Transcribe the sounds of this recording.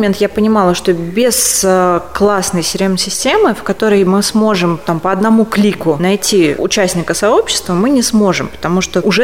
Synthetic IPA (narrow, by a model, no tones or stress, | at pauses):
mʲent̪japənʲɪmɑlˠəʂt̪o̞bʲɪsəklˠasnəjsʲɪɾʲemsʲɪsʲtʲe̞mɨfkɐt̪o̞ɾəjmɨsmo̞ʐɨmt̪ampəɐd̪nɐmuklʲikʊnɐjtʲiʊ̰t͡ɕæsʲnʲɪkəsɐo̞pɕːɪ̥st̪vəmɨnʲɪsmo̞ʐɨmpə̥t̪ɐmuʂt̪oʊʐɛ